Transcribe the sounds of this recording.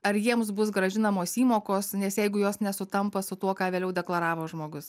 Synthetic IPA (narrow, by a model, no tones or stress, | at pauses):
ɐɾjiɛms̬bʊs̬ɡɾɐʒʲɪnɐmoːsiːmoːkoːsnʲɛsjɛɪɡʊjoːsnʲɛsʊt̪ɐmpɐsʊt̪uɔkɑːʋʲeːlʲɛʊd̪ʲɛklˠɐɾɑːʋoːʒmoːɡʊs